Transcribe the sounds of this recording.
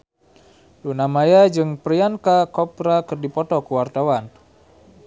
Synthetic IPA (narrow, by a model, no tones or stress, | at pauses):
dunamajad͡ʒɨŋpɾiankakɔpɾakɨrdipɔt̪ɔkuwart̪awan